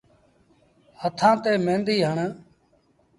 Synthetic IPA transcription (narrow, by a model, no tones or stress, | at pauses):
hət̪ʰãːt̪eːmẽːnd̪iːɦəɳ